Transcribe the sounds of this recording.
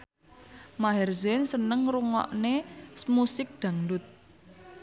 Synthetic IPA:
maɦɛrzɛnsənəŋruŋɔ̰ʔnesmusɪk̚d̪̥ä̤ŋɖʊt̪̚

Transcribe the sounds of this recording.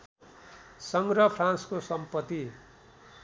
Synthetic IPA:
sʌŋɡɾʌpʰrãnskosʌmpʌt̪ːi

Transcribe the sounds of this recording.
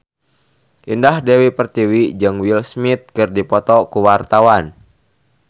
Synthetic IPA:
ʔindahdɛwipərt̪iwid͡ʒɨŋwilsmit̪̚kɨrdipɔt̪ɔkuwart̪awan

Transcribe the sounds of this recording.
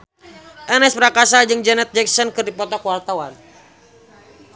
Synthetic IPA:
ʔɛnɛspɾakas̬ad͡ʒɨŋd͡ʒɛnɛt̪̚d͡ʒɛk̚sɔnkɨrdipɔt̪ɔkwart̪awan

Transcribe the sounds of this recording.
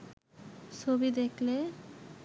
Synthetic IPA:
t͡ʃʰobid̪ekʰle

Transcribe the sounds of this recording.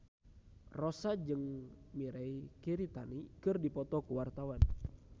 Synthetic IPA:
rɔsad͡ʒɨŋmiɾaikiɾit̪anikɨrdipɔt̪ɔkuwart̪awan

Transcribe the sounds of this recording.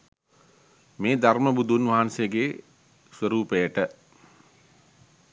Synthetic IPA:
meːd̪ʱarməbud̪ʱunʋaɦansejəɡe | sʋəɾuːpejəʈə

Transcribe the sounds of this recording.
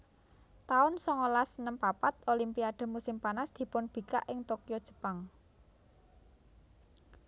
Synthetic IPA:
t̪aʊnsɔŋɔlasənəmpapat̪olimpiaɖ̪̥ə̤musɪmpanasd̪̥i̤pʊnb̥i̤ka̰ʔɪŋt̪okijɔd̥ʒ̥ə̤paŋ

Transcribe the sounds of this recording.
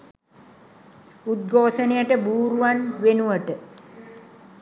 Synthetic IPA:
ud̪̚ɡʱoːsənejəʈəbuːɾuʋanʋenuʋəʈə

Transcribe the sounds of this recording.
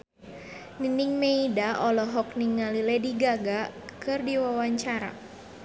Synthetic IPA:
niniŋmeidaʔɔlɔɦɔk̚niŋːalilɛdiɡaɡakɨrdiwawaɲt͡ʃaɾa̰

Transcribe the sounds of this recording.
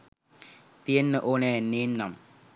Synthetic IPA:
t̪ienːəʔonɛneːnːɐm

